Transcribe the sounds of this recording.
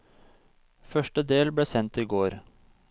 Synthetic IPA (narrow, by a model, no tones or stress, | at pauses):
fœʃʈəd̪eːlbɽeːsɛnt̪iːɡoːɾ